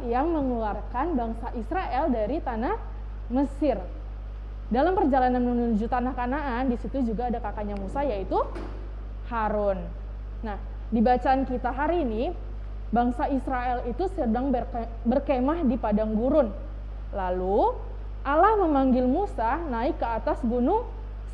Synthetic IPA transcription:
jaŋməŋluarkanbaŋsaʔisɾaʔɛldaɾit̪anah | məsɪr | dalampərd͡ʒalananmunud͡ʒut̪anahkanaʔandisit̪ud͡ʒuɡaːdakakaɲamusajait̪u | haɾʊnː | ah | dibat͡ʃaːnkit̪aɦaɾini | baŋsaisɾaɛlit̪usədaŋ | bərkemahdipadaŋɡuɾʊn | lalu | ʔalahməmaŋɡɪlmusanaɪkːəat̪asbunʊŋ | s

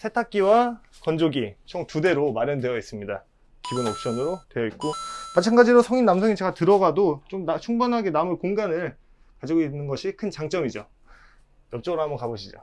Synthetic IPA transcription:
sʰetʰak̚k͈iwakʌnd͡ʑoɡit͡ɕʰoŋtude̞ɾomaɾjʌndwe̞jʌis͈ɯmɲida | kibunok̚ɕ͈ʌnɯɾotwejʌit̚k͈omat͡ɕʰanɡad͡ʑiɾosʰʌŋinnamsʰʌŋit͡ɕe̞ɡatɯɾʌɡadot͡ɕomnat͡ɕʰuŋbʌnɦaɡe̞namɯɭkoŋɡanɯɭ | kad͡ʑiɡoinːɯnɡʌɕʰikʰɯnt͡ɕaŋt͡ɕ͈ʌmid͡ʑo̰ | jʌp̚t͡ɕ͈ʌɡɯɾohambʌnkabʌɕʰid͡ʑo̰

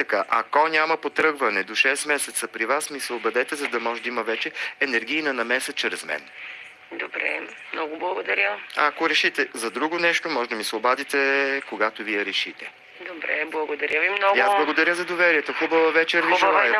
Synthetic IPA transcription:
t̪ɐkaʔɐ̰kɔnʲamɐpot̪ɾɤɡvɐnɛd̪oʃɛsmɛsɛt̪səpɾivasmisɛobɐd̪ɛt̪ɛzɐd̪ɐmɔʒɛd̪ɐimɐvɛt͡ʃɛːnɛɾɡ̟ijnɐnɐmɛsɛt͡ʃɾɛzmɛ̰n | d̪obɾɛ̰mnɔɡʊblˠɐɡod̪ɐɾʲjəɐkoɾɛʃit̪ɛzɐd̪ɾuɡonɛʃt̪omɔʒd̪əmisɛobad̪it̪ɛkoɡat̪oviɛɾɛʃit̪ɛ | d̪obɾɛ̰blˠɐɡod̪ɐɾʲəvimnɔjazblˠɐɡod̪ɐɾʲəzɐd̪ovɛɾiɛt̪oxubəvɐvɛt͡ʃɛɾviʒlˠa

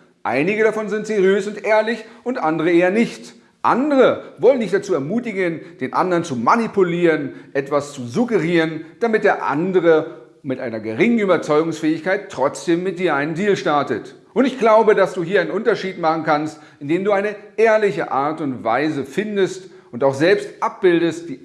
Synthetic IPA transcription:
ʔa̰ɪnɪɡəɾafɔnzɪntz̥eʁijøːsʊntʔeːɐlɪçʔʊntʔandəʁ̞əʔeːɐnɪçt | ʔa̰ndəʁəvɔlənːɪçtd̥at͡suːɛɐmuːtɪɡənd̥eːnʔa̰ndɐʁnt͡sumanipʰuliːʁənʔɛtv̥ast͡suzuɡəʁiːʁənd̥amɪt̚d̥eːɐʔa̰ndəʁ̞ə | mɪtʔaɪnɐɡəʁɪŋən̩yːbɐt͡sɔʏɡʊŋsfɛːɪçkaɪtːʁ̥ɔt͡sd̥eːmːɪt̚d̥iːɐʔaɪnəndiːlʃtaɐtət | ʔʊntɪçɡ̥laʊbədasd̥uːɦiːɐaɪnənʔʊntɐʃiːtmaχn̩kʰanst | ɪndeːmduːaɪnəʔeːɐlɪçəʔaɐtʊntv̥a̰ɪzəfɪndəst | ʊntaʊxz̥ɛlpstʔap̚b̥ɪldəst̚d̥iː

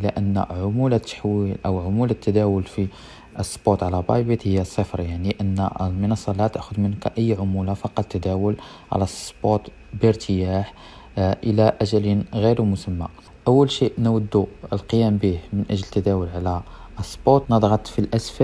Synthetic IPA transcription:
ʔəlæʔənːʕʊmulæt̪ːḁħwilʔəwʕʊmulæt̪ːæd̪æwʊlfi | əsˤːbot̪ʕlæbɑbit̪həjːæsˤːəfɾˤjaʕniʔənːəlmənɑsˤːɑlhæt̪əʔxʊd̪mənkʔəjːʕʊmulafɑqɑt̪ːæd̪æwəl | ʕa̰læsˤbot̪ | bəɾt̪ʰəjaħ | ʔəlæʔæʒælinɣiɾumʊsəmːa̰ | ʔəwːəlʃiʔnwəd̪ːuəlqəjæmbihmənʔəʒlt̪ːæd̪æwəlʕalæʔəsˤːbot̪nəd̪ˤɣɑt̪ˤfilʔæsfæ

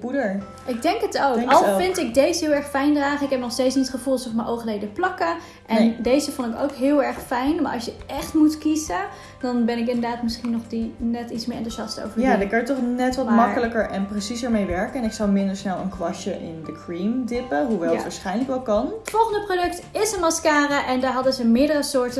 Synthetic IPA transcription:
pudəɹ | ʔɪɡ̚dɛŋkətowkɑlˠfɪntɪɡ̚dejzəɦɪːlˠɛɹχfɛjndraːχəɪkɦɛp̚nɔχstejtsniətχəvulˠsəfɔmənʔowχəlejdəplɑkə | ʔɛndejzəfɔntɪko̰wkɦɪːlˠɛɹχfɛjnmaːɹʔɑ̰sjəʔɛχtmutkizə | d̥ɑnbɛnɪk̬ɪ̃ndədaːtmɪsχinɔχdinɛtitsmɪːɹʔɛntuʒɑsto̰wvəɹjadəkɑjətɔχnɛtʋɑtmmɑkələkəɹʔɛnprəsizəɹmejʋɛɹkənɛnɪksɑwmɪndəɹsnɛlˠə̰nkʋɑʃəʔɪ̰ndəkrindɪpəɦuʋɛlˠətʋaːɹsχɛjnləkʋɛlˠkɑnfɔlˠχəndəprodɵktɪsənmɑskaːɾəʔɛndaːɹɦɑdəzəmɪːɹdərəsʊːɹtə

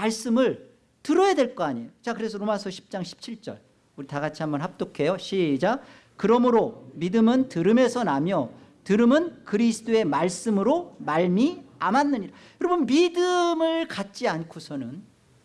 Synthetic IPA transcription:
maɭs͈ɯmɯɭ | tɯɾʌjadwe̞ɭk͈ʌaɲiejot͡ɕakɯɾe̞sʰʌɾomasʰʌɕʰi̥p̚t͡ɕ͈aŋɕʰi̥p̚t͡ɕʰiɭt͡ɕ͈ʌ̰ɭ | uɾitaɡat͡ɕʰiɦambʌnɦap̚t͈okʰejoɕʰid͡ʑa | kɯɾʌmɯɾomidɯmɯntɯɾɯme̞sʰʌnamjʌ | tɯɾɯmɯnkɯɾisʰɯ̥t͈oe̞maɭs͈ɯmɯɾomaɭmiamanːɯɲiɾa | jʌɾʌbɯnmidɯmɯɭkat̚t͡ɕ͈iankʰosʰʌnɯn

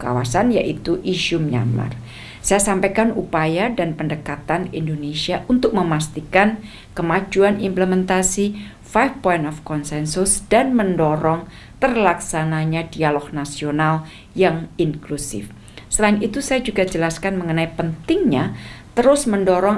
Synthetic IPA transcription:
ka̰wa̰sanja̰ʔit̪uʔiʃumɲa̰ma̰r | sajasampakanupajadanpəndəkat̪anindonesiaʔunt̪ʊk̚məmast̪ikan | kəmad͡ʒuanimpləmɛnt̪asi | fajfpɔinɔfkɔnsɛnsʊsd̥anməndɔɾɔŋ | t̪ərlaksanaɲadialɔk̚nasional | jaŋiŋklusɪ̰f | səlaɪnit̪usajad͡ʒuɡad͡ʒəlaskanməŋənaipənt̪ɪŋɲat̪əɾʊsməndɔɾɔŋ

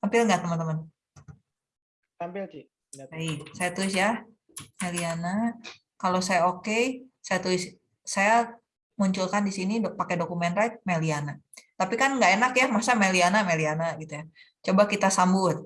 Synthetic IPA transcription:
ampɪlŋɡaʔt̪əmənt̪əmən | ampɪl | aisajat̪uɪsja | meliana | kalosajaokesajat̪ulɪs | saja | muɲt͡ʃʊlkandisiniopakedokumɛnɾajt̪̚meliana | t̪apikanŋɡaenakjamasamelianamalianaɡit̪uja | t͡ʃobakit̪asambʊt̪̚

